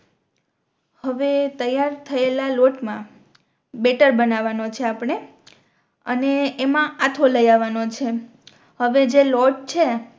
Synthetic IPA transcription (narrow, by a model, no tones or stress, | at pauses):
həʋet̪əjaɾt̪ʰəelaloʈmã | beʈəɾbənaʋanot͡ʃʰeapɳ̃e | ə̰neːmãat̪ʰoləjaʋanot͡ʃʰe | həʋed͡ʒelɔʈ̚t͡ʃʰe